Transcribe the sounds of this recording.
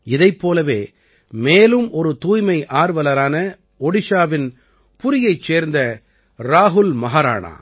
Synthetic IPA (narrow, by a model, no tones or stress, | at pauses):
ɪðɐɪpːoːlɐʋeː | meːlɯmʔɔɾɯt̪uːjmɐɪʔaːɾʋɐlɐɾaːnɐ | ɔɽɪʂaːʋɪn | pʊɾɪjɐɪt͡ʃːeːɾnd̪ɐ | ɾaːɦʊlmɐɦaːɾa̰ːɳa̰ː